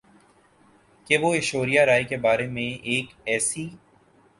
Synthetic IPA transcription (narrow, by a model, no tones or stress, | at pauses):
keʋoɪʃoːɾijaɾaːikebaːɾemẽeːkɛːsi